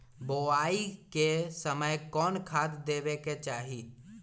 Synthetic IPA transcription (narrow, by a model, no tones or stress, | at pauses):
boaːikesəməjkɔːnkʰat̪d̪eːbeket͡ʃaːɦi